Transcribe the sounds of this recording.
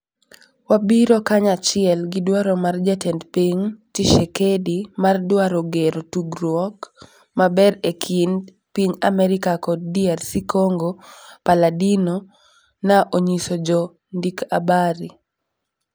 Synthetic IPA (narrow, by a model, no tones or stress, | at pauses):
wabiɾokaɲat͡ʃɪɛlɡɪdwaɾomard͡ʒɛtɛndpiŋtiʃɛkedimardwaɾoɡeɾotuɡɾwɔk | mabɛɾekʰin | piɲa̰mɛɾikakɔd̚diarsikoŋɡopaladino | naʔoɲisod͡ʒɔ | ndikabaɾi